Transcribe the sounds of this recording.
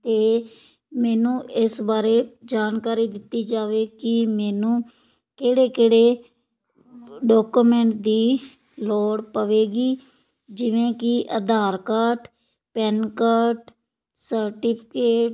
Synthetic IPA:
t̪eː | mɛːnũːɪsbaːɾeːd͡ʒaːnkaːɾiːd̪ɪt̪ːiːd͡ʒaːʋeːkɪmɛːnũː | keːɽeːkeːɽeː | ɖɔːkumɛ̃ːɳʈ̚d̪iː | lɔːɽpəʋeːɡiː | d͡ʒɪʋẽːkɪʔəd̪aːɾkaːʈ | pɛːnkəːʈ | səɾʈɪːpʰɪ̥keːʈ

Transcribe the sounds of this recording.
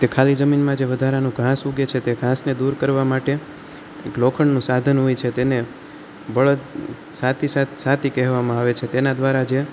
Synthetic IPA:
t̪ekʰalid͡ʒəminmãd͡ʒeʋəd̪ʱaɾanũɡʱãsuɡet͡ʃʰet̪eɡʱãsned̪uɾkəɾʋamaʈe | eklokʰəɳnũsad̪ʱənɦoit͡ʃʰet̪ene | bəɭət̪ | sat̪ʰisat̪sat̪ʰikɛɦʋamãaʋet͡ʃʰet̪enad̪ʋaɾad͡ʒe

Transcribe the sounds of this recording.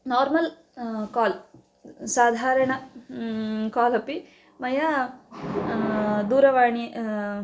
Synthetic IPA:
naːɾmɐl | kaːl | saːd̪ʱaːɾɐɳɐ | kaːlɐpi | mɐja | d̪uːɾɐʋaːɳi

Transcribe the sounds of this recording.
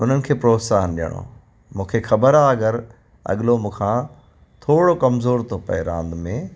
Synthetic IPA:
ʊn̤ənɪ̆kʰeːpɾoːsaːɦənɗijə̰ɽ̃o̰ | mũːkʰexɐbəɾaɐɠəɾ | ɐ̰ɠɪlomũːkʰã | t̪ʰoːɽokɐmzoːɾt̪ʰopɐ̰eɾã̰ːnd̪mẽ

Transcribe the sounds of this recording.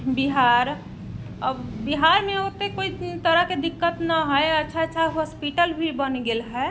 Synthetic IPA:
biɦaɾ | əbbiɦaɾmẽot̪ekoit̪əɾəɦked̪ɪkːət̪naɦəjətːʃʰatːʃʰaɦɔspiʈəlbʱibənɡelɦɛ

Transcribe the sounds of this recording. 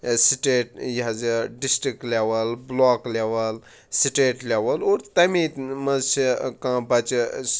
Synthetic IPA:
siʈeːʈjɐzeɖisʈɾikʈleʋɐlbloːkleʋɐl | siʈeːʈlʲeʋɐloːɾt̪ɐmĩmɐt͡ʃikãbɐt͡ʃ

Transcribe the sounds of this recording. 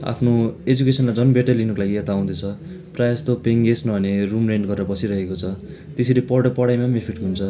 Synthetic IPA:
a̰pʰnoed͡zukesʌnmad͡zʌnbeʈʌlinʌkolaɡiet̪aaw̃d̪ʌt͡sʰʌ | prajast̪opeŋɡesnʌbʱʌnerumreɳɖɡʌreɾʌbʌsiɾʌɦekot͡sʰʌ | t̪eseɾepʌɽʌpʌɽajmamepʰiʈɦunt͡sʰʌ

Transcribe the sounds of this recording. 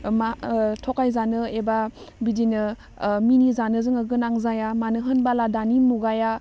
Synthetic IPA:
matʰokajzanɯebabidinɯ | minizanɯzɯŋaɡɯnaŋzajamanɯɦɯnbaladanimuɡaja

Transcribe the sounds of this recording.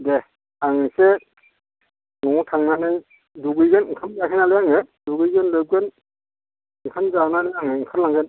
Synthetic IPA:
de | aŋse | ŋɔŋutʰaŋnanɯj | duɡɯjɡenɯŋkʰamzakʰenaleaŋeduɡɯjɡenlɯp̚ɡen | ɯŋkʰanzanalejaŋeŋkʰaɾlaŋɡen

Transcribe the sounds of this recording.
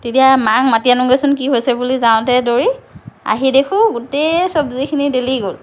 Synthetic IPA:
tetijamaŋmatianɔŋɡesɔnkiɦojsɛbulizaʊ̃tɛdoɹia̰ɦidekʰʊ̃ɡutɛsɔbzikʰinideliɡol

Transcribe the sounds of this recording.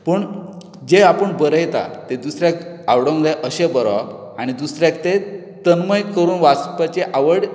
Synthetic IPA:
pəɳ | d͡ʑeapəɳbəɾəjt̪a̰t̪ed̪usɾjak | awɽə̃ŋd͡zaʔəɕebəɾa̰ | aɽ̃id̪usɾjak̚t̪e | t̪ənməjkəɾuːnʋaspat͡ɕeʔaʋəɽ

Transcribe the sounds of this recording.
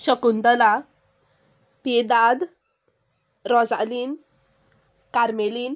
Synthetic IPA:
ɕəkunt̪əla | pid̪ad̪ | ɾɔd͡za̰lin | kaɾmeliːn

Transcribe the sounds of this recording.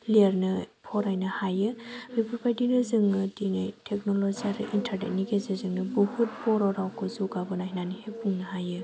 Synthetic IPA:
lieɾnɯpʰɔɾajnɯhajɯɾipʰupʰajdinɯzɯŋnɯdinajtʰek̚nolɔziaɾɯ̰ʔintʰaɾnḛt̚niɡezɯzɯŋnɯbɔhut̚pʰɔɾɔɾawkʰɯzuɡabɯnaɦinanihepuŋnɯɦajɯ

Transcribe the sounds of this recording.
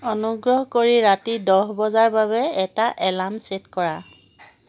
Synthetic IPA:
ɔnuɡɹɔɦkoɹiɹatidɔɦbɔzaɹbaβɛɛtaʔɛlamsetkɔɹa

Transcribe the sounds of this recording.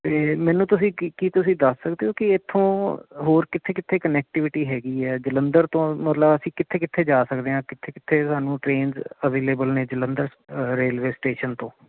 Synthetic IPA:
t̪eːmɛ̃ːnũːt̪ʊsĩːkiːt̪ʊsĩːd̪əsːəkd̪eːoːkɪɪt̪ʰːõːɦoːɾkɪt̪ʰːeːkɪt̪ʰːeːkənɛːk̚ʈɪʋɪʈiːɦɛːɡiːɛːd͡ʒələnd̪əɾt̪õːmət̪ləbəsĩːkɪt̪ʰːeːkɪt̪ʰːeːd͡ʒaːsəkd̪eːɦãːkɪt̪ʰːeːkɪt̪ʰːeːsaːnũːʈɾeːnzəʋeːleːbəlneːd͡ʒələ̃nd̪əɾ | ɾeːlʋeːsʈeːʃənt̪õː

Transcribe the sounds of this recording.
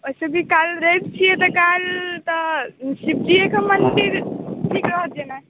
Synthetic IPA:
oisebʱikalɾəb̚t͡ʃʰijɛt̪ɔkalt̪ɔsib̚d͡ʒijekemənɖiɾʈʰikɾəɦət̪̚jena

